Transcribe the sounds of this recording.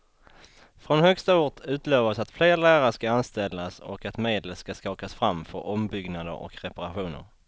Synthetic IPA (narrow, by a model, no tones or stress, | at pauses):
fɾɔnhœkst̪auːʈ̪ʰʉ̟ːt̪løːvasat̪fleːɾlæːɾaəʂkaanst̪ɛlːasɔ̰kat̪meːd̪ləskaskɑːkasfɾamfœɾʔɔmbʏɡnad̪ə̰ɾɔ̰kɾɛpaɾaɧuːnə̰ɾ